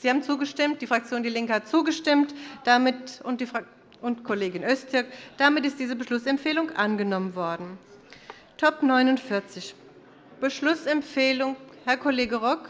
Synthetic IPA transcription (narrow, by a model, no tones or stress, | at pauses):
z̥iːhaːbm̩t͡suːɡəʃtɪmt̚d̥iːfʁ̥ak̚t͡sjoːndiɐlɪŋkəhat̚t͡suːɡəʃtɪmtd̥amɪtʊnd̥if | ʔʊntkʰoleːɡɪnʔœstɪɐkd̥amɪtɪst̚d̥iːzəbəʃlʊsɛmfeːlʊŋʔanɡənɔmənvɔɐdn̩ | tʰɔpnɔʏnʊntfɪɐt͡sɪç | b̥əʃlʊsɛmfeːlʊŋhɛɐkʰoleːɡəʁɔk